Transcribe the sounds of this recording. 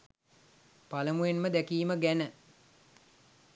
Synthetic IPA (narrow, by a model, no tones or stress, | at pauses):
paləmujenməd̪ækiːməɡænə